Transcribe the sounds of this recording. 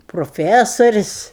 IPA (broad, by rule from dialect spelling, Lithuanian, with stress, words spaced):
proːˈfʲæsoːrʲɪsʲ